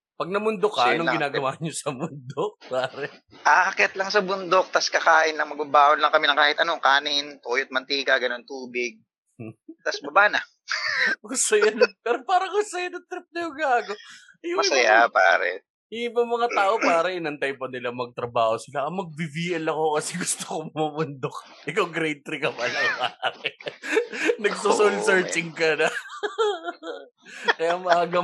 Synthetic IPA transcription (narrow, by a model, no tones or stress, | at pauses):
pɐɡ̚nɐmʊnd̪okːɐʔɐnoɡɪnaːɡɐwaːɲosɐmʊnd̪ok̚paːɾɛ | ʔaːkɛt̪̚lɐŋsɐbʊnd̪ok̚t̪ɐskɐkaːʔɪnlɐŋmɐɡ̚babaːʔonlɐŋkɐmɪnɐŋkaːhɪt̪ɐno̞kaːnɪnt̪oːjot̪̚mɐnt̪iːkɐɡɐno̞nt̪uːbɪɡ̚ | t̪asbɐbaːnɐ | osɐjɐnpɛːɾopaːɾɐŋkʊsɐjɐnɐt̪ɾɪp̚nɐjoɡaːɡo | jʊmɐŋsɐjapa̰ːɾɛ̰ | ɪibɐŋmɐŋat̪aːʔo̞paːɾɐʔɪnɐnt̪ajmponɪlamɐɡ̚t̪ɾɐbaːho̞sɪlaʔɐmɐɡ̚bɪbiːʔɐlɐko̞kɐsɛɡʊst̪okoŋmɐmʊnd̪ok̚ | ʔɪkɐwɡɾɛjt̪ɾɪkɐbɐlɐjaakɛ | nɐɡɡ̚sosolsɛɹt͡ʃɪŋkɐd̪ɐ | kɐjamɐʔaːɡɐ